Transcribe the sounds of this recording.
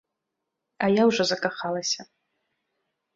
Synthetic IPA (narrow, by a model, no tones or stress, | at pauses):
ajawʐozakʼaχalˠasʲa